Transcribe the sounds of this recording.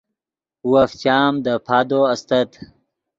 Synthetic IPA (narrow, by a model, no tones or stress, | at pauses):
waft͡ɕaːmd̪əpʰaːd̪oɐst̪ɐt̪